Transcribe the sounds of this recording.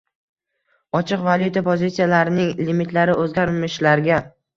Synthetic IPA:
ɒt͡ʃʰɪqvalˠjut̪ʰapʰozʲit̪sijalaɾɪnɪŋlimit̪ʰlaɾɪʔɵzɡʲaɾmɪʃlaɾɡʲa

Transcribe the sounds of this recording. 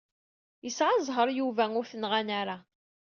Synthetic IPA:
jəsʕazˤɦəɾˤjuvæŋʊɾθənʁanaɾa

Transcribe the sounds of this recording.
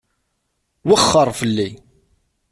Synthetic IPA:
wəχːəɾˤfəlːi

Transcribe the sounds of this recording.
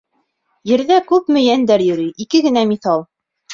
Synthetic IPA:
jɘ̆ɾðækʉpmɘ̆jænd̪æɾjɵ̆ɾyʔikɘɡɘ̆næmiθɑlˠ

